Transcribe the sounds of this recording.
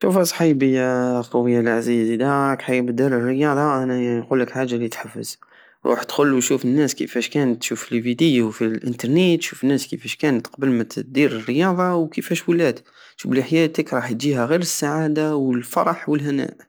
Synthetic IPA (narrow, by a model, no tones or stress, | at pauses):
ʃufhæsˤħibəjaq̪ɑwəjːalʕazizid̪ækħajbəd̪iɾərːəjɑd̪ˤɑʔænæjqulːəkħaʒːalit̪ħafːə̰z̥ | ɾˤṵːħt̪xʊlːuʃufənːæskə̰fæʃkænət̪ːʃufilvid̪ijwfilʔənt̪ɑɾˤnet̪ːʃufənːæskəfæʃkænət̪qbəlmæt̪d̪iɾərːəjɑd̪ˤɑwkəfæʃwəlæd̪ | ʃufbəlʔəħjæt̪əkɾˤɑħt̪d͡ʒihæɣiɾəsːaʕad̪awəlfɑɾˤɑħwəlɦænæ̰ʔ